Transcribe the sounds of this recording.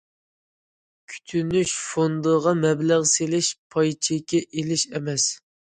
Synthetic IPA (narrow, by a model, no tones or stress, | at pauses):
kʲʰy̥t̪ʰynyʃfond̪əʁɑmɛblæʁselɪʃpʰɑjt͡ʃʰekʲːɛʔelɪʃɛmɛs